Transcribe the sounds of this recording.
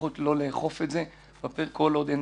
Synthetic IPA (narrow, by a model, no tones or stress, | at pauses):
ut̪lo̞leːχofetze | bapeʁkolod̪en